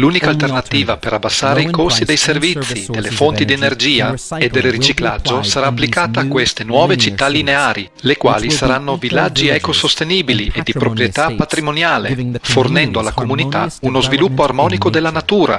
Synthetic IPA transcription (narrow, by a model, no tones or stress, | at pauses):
luːnikalt̪ernat̪iːvapeɾabːasːaːɾeikost̪id̪ejservit̪sːid̪elːefont̪id̪ienerd͡ʒiːaed̪ːelrit͡ʃiklad͡ʒːosaɾaːpːlikaːt̪aːkwest̪enwɔːvet͡ʃit̪ːalineaːɾi | lekwa̰ːlisaɾanːovilːad͡ʒːiɛkosost̪eniːbiliʔed̪ipɾopɾjet̪apːat̪ɾimonjaːlefornɛnd̪oalːakomunit̪aunozvilupːoarmɔːnikod̪elːanat̪uːɾa̰